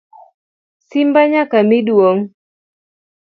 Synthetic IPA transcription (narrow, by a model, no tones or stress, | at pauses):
simbaɲakamidwoŋ